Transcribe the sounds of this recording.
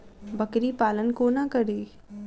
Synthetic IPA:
bɐkɾipaːlənkonakɐɾiː

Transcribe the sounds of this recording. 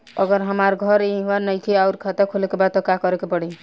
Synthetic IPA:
ə̰ɡəɾɦəmaɾɡʱəɾiɦanəjk̪ʰiaʊɾkʰat̪ekʰolekebat̪okakɔɾekepɔɽi

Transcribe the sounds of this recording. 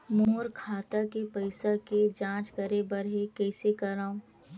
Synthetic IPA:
moɦʊɾkʰaːt̪akepɐɪsaked͡ʒãːt͡ʃkɐɾebɐɾɦekɛːsekɐɾaːõ

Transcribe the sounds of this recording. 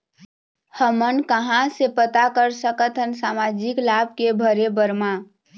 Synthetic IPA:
həmənkəɦãsepət̪akəɾsəkət̪ʰənsamad͡ʒiklab̚ʱkebʱəɾebəɾma

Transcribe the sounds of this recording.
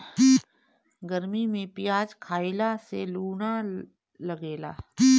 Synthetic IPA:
ɡəɾmimẽpɪjaːd͡ʒkʰaːilaseluːna | lɐɡeːla̰ː

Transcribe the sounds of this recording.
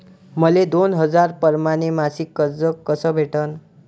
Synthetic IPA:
mʌled̪onɦʌd͡zarpʌɾmanemasikːʌɾd͡zʌkːʌsʌbʱeʈʌn

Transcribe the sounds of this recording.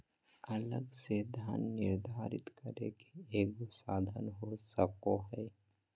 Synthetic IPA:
ɐləɡsed̪ʱjaːnːɪɾd̪ʱaːɾɪ̰t̪kəɾḛkeeːkosaːd̪ʱənɦosəkoɦɛː

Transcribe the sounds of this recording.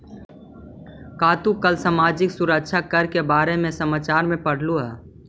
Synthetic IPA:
kaːt̪ukəlsamaːd͡ʒɪksʊɾək̚ʃʰakəɾkebaːɾemẽsəmaːt͡ʃaːɾmẽpəɽ̤luɦɛː

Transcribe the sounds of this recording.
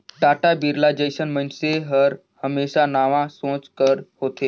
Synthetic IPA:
ʈaʈabiɾlad͡ʑəjsənmənseɦəɾ | həmeɕanaʋãsõt͡skəɾhot̪e

